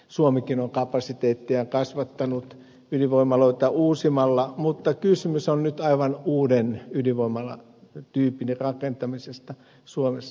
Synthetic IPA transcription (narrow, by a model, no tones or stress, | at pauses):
suomikinoŋkɑpɑsit̪eːt̪ːiɑkɑsʋɑt̪ːɑnut̪ | yliʋoimɑloit̪ɑuːsimɑlːɑmut̪ːɑkysymysonnyt̪ɑiʋɑnuːdenyliʋoimɑlɑ̰ | t̪yːpinerɑkent̪ɑmisest̪ɑ | suomesː